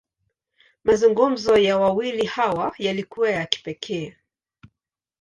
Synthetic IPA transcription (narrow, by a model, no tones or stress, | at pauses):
mazuŋɡum̩zɔjawawilihawajalikuwajaki̥pɛkʰɛː